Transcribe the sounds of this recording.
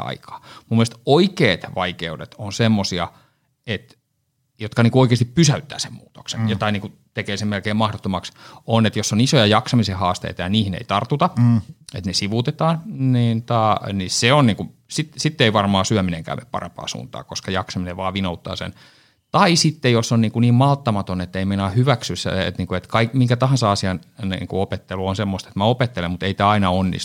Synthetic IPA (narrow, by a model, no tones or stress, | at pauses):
ɑ̰ikʰɑ̥ːmumːest̪oikeːt̪ʋɑikeudet̪onsemːosiɑ̰ | et̪ | jot̪kɑniŋkuoikeːˑst̪ippysæyt̪ːæ̰ːsemmuːt̪o̥ksḛnjot̪ɑiniːŋku | t̪ekeːsemmelkeːmɑhdot̪ːomɑksonet̪josːonisojɑjɑksɑmisehɑːst̪ḛit̪ɑjɑniːhinḛit̪ɑrt̪ːut̪ɑḛt̪nesiʋut̪et̪ɑːnniːnt̪ɑniseonniːŋkusit̪sit̪ːeiʋɑrmɑːsyæmineŋkæ̰ːmḛpɑ̰rḛmpɑ̰ːsṵːnt̪ɑ̰ːkoskɑjɑksɑmineʋɑːʋinout̪ːɑ̰ːsḛn | t̪ɑisit̪ːejosːonniːŋkuniːmmɑlt̪ːɑmɑt̪onet̪ːeimenɑhyʋæksysːæ̰ḛt̪niːŋkuet̪kɑikmiŋkæt̪ɑhɑnsɑɑsiɑnnḭːŋkuopet̪ːeluonsemːost̪e̥t̪mæopet̪ːelemut̪eit̪æːɑinɑonːḭsu̥